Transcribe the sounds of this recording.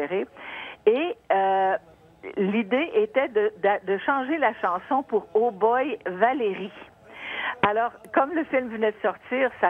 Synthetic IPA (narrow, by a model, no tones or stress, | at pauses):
eʁe | eə | lid̪eʔet̪ɛd̪əd̪ad̪əʃɑ̃ʒelaʃɑ̃sɔ̃puʁobɔjvaleʁi | alɔːʁkɔmləfilmvənɛd̪əsɔʁt̪iːʁsa